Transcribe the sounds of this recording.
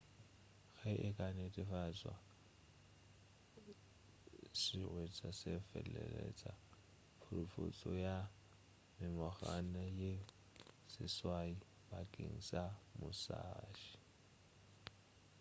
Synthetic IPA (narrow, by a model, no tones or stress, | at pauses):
ɣaʔɪkʼanetʼɪfat͡sʼwa | sɪrwet͡sʼasefɛlɛ̰lɛt͡sʼa | pʰʊrʊfʊt͡sʼɔja | mɪmɔχanaje | sɪswai | bakʼḛŋ̩samʊsaːʃi̥